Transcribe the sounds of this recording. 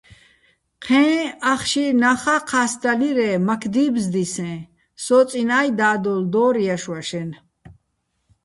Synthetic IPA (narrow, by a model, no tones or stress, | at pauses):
qʰɛ̃ːaχʃinaχaqʰasd̪aliɾɛːmakʰd̪iːbzd̪isɛ̃ː | sɔːt͡sʼinajd̪aːd̪ɔld̪ɔːɾjaʃwaʃɛn